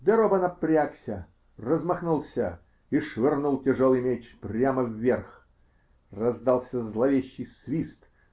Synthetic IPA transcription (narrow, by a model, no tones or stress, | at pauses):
d̪əɾobənɐpɾʲaksʲə | rəzmɐxnulˠsʲə | iʂvʲɪrnulˠtʲɪʐolˠɨjmʲet͡ɕprʲaməvʲːerx | rɐzd̪ɑlˠsʲəzlˠɐvʲeɕːɪjsvʲist̪